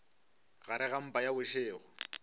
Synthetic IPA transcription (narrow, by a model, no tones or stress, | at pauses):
ɣaɾɪɣam̩pʼajabʊʃɪːɣʊ